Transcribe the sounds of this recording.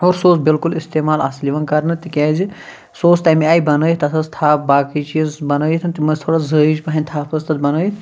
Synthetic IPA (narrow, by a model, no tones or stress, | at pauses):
oːɾsoːsbilkulist̪eːmaːlaːsliʋɐnkɐɾnɨt̪ikʲeːzi | soːst̪aːmiaːjibɐnəːjt̪ɐt̪ʰɐst̪ʰaːp̚baːkit͡ʃiːzbɐnəːit̪ʰɨnt̪imɐzʲt̪ʰoːɽazəːid͡ʒpɐɦɐnʲt̪ʰaːpʰɐst̪ɐt̪̚bɐnəːjt̪ʰ